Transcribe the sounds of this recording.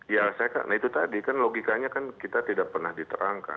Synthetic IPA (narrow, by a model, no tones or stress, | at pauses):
jasaaka̰ʔnahit̪ut̪adikanloɡikaɲakankit̪at̪idaʔ̚pərnahdit̪əɾaŋka̰